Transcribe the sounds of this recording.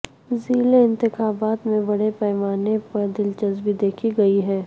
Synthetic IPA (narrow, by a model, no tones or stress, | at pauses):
ziːleɪ̃nt̪ɪxaːbaːt̪mẽbɐɽepɛːmaːnepɐɾd̪ɪlt͡ʃɐzbid̪eːkʰiɡɐiɦɛː